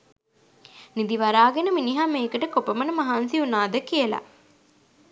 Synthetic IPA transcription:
nid̪iʋaɾaːɡenəminiɦameːkəʈəkopəmənəmaɦaːnsiunaːd̪əkiəla̰

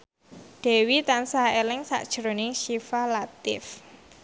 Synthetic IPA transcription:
ɖ̪̥e̤wit̪ansaelɪŋsa̰ʔd̥ʒ̥əɾonɪŋʃifalat̪ɪ̰f

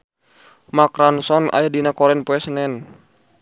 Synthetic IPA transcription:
makɾansɔna̰jadinakɔɾɛnpɔɛsənɛn

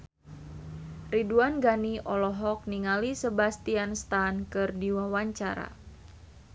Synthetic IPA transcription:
riduanɡaniʔɔlɔɦɔk̚niŋalisəbast̪ianst̪ankɨrdiwawaɲt͡ʃaɾa̰

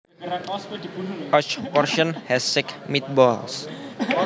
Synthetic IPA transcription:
ʔɔt͡ʃpɔrʃɔnhɛsɪkmit̪̚bɔls

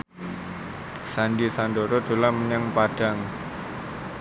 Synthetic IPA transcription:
sanɖisandoɾod̪̥o̤laməɲaŋpaɖ̥aŋ

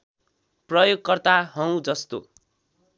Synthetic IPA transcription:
prʌjoɡ̚kʌrt̪aɦʌw̃d͡zʌst̪o̰

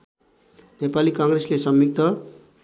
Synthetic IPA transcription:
nepalikʌŋɡreslesʌmbik̚t̪ʌ

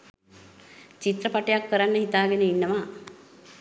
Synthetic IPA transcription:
t͡ʃit̪ɾəpaʈejakːəɾanːəɦit̪aːɡenəinːəʋaː

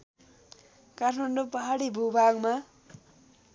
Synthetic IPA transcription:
katʰmanɖopʌɦaɽibʱubʱaɡma

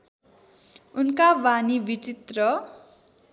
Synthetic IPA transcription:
unkabanibit͡sit̪rʌ

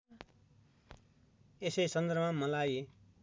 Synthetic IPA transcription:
esesʌnd̪əɾbmãmʌlaːje

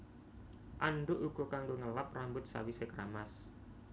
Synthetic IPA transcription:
ʔanɖʊʔuɡ̥ɔ̤kaŋɡoŋəlap̚rambʊt̪̚sa̰wisekɾamas

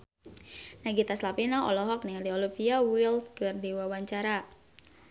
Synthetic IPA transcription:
naɡit̪aslapinaɔlɔɦɔk̚nialiɔlifiawilt̪̚kərdiwawaɲt͡ʃaɾa

